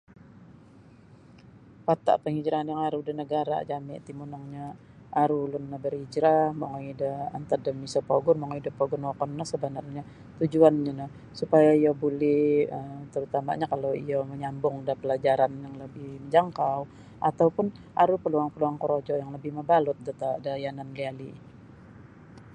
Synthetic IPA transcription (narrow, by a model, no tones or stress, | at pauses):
pat̪a̰ʔpəŋid͡ʒɾaɦanjaŋaɾudənəɡaɾa̰d͡ʒamɪ̰ʔt̪imunɔŋɲa | ʔaɾulʊnːabərid͡ʒɾahmoŋaidəa̰nt̪adəmisapoɡʊnmaŋidəpoɡʊnwakɔnnahsəbənarɲa | t̪ud͡ʒuanɲanah | supajaijabulɛhət̪əɾut̪ama̰ɲakaloijaməɲambʊŋdapəlad͡ʒaɾanjaŋləbɪhməɲd͡ʒaŋkaw | ʔat̪awpʊn | ʔaɾupəluaŋpəluaŋkəɾod͡ʒɔjaŋləbɪhməbalʊt̪̚dat̪adajananliali